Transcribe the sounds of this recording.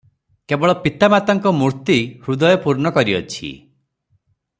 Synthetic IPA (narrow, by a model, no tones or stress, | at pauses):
kebɔɭɔpit̪amat̪ɔŋkɔmuɾt̪ihɾud̪ɔjɔpuɾnɔkɔɾiɔ̰t͡ʃʰḭ